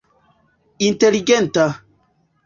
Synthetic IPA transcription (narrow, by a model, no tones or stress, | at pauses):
inteliɡɛnta